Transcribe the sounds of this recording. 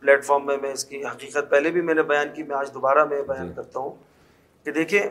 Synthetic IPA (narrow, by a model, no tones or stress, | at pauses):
plɛːʈfɔːɾmːẽmẽɪskiɦɐqiːqət̪̚pɛɦlebʱimɛ̃ːnebɐjaːnkimɛ̃aːd͡ʒd̪obaːɾamẽbɐjaːnkɐɾt̪aɦũ | ked̪eːkʰie